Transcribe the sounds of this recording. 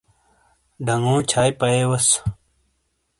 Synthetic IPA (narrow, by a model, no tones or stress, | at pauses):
ɖʱɐŋɡũːt͡ɕʰaːjpɐeːwɐs